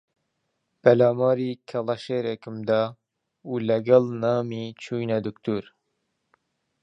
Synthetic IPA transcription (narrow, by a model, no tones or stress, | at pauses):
pɛlɑːmɑːɾiːkʰɛlˠɐʃeːɾekɪmd̪ɑː | uːlæɡɛlnɑːmiːt͡ʃʰuːjnɛd̪uk̚t̪ʰuɾ